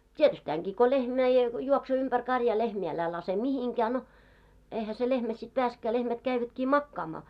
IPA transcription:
tietystæːŋɡ̊iː ko lehmæ jɑ juoksoː ympær kɑrjɑː lehmiː ælæ lɑse mihiŋkæː no eihæ se lehmæ sit peæsĕkːæː lehmæt kæiʋætkiː mɑkːɑːmɑː

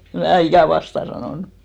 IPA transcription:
em mæː ikæˑ ʋɑstɑˑ sɑnoˑnu

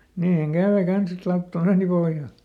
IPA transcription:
niːhæŋ kæˑʋe kɑns et lɑutːɑ meːni pohjɑ

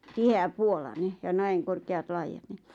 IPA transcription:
tiheæpuolɑne jɑ næiŋ korkeɑt lɑijɑt ni

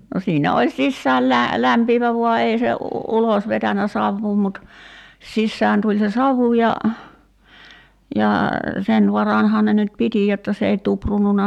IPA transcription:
no siːnæ olʲ sisːæːl læ læmpiːʋæ ʋuɑ ei se ulos ʋetænæ sɑʋːuː mut sisːæːn tulʲ se sɑʋu jɑ jɑ sen ʋɑrɑnhɑːn ne nyt piti jotːɑ s ei tuprununɑ

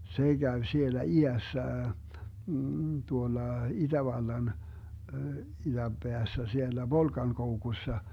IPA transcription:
se ɡ̊æʋ sielæ iæsːæ tuolːɑ id̥æʋɑlːɑn id̥æmb̥eæsːæ sielːæ ʋolkɑnkoukusːɑ

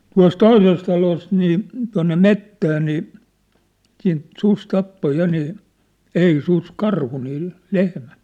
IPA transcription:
tuɑ̝s toises tɑlost niː tuɑ̝nːe metːæː niː siːnt sus tɑpːo jɑ niː ei sus kɑrhu niː lehmæn̝

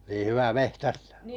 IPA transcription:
niː hyʋæ mehtæstæ̥ː

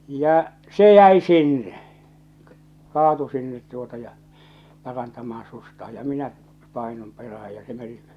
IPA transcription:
jɑ se jæi sinːe kɑːtu sinːet tuotɑ jɑ pɑrɑntɑmɑːɑ̃ sustɑːj jɑ minæ pɑˑinum peræh̞æj jɑ se meni

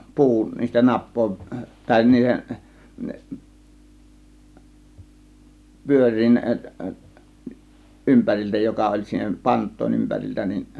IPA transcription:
pu̞u niːstæ nɑpˑoˑe̝ʋ ʋælʲ niːhen pyørˑiːn ʔympærilʲtæ jokɑ olʲ siːnæ pɑntˑoˑe̝n ympæriltæ nin

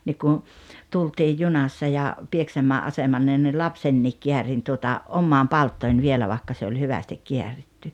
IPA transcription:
nik kun̞ tultiːj junɑsːɑ jɑ pieksæmˑæːʔ ɑsemɑnːe ni lɑpsenːiːk kiærin tuotɑ omːɑːn pɑltːoˑin ʋielæ ʋɑˑĭkːɑ se olʲ hyʋæstik kiæritːy

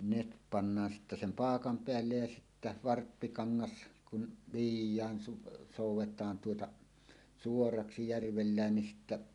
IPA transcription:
net pɑnːɑːn sitːæ sem pɑːkɑm peælːej jɑ sitːæ ʋɑrpːikɑŋːɑs kun ʋijˑæːn su soˑuwˑetˑɑːn tuotɑ suorɑksi jærʋelːæːn nin sitːæ

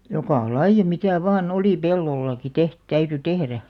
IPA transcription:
jokɑˑ lɑijˑɑ mitæˑ ʋɑːn oliˑ pelːolːɑki teht tæyty tehræ

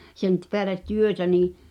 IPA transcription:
sen t peælet̆ tyøtæ niː

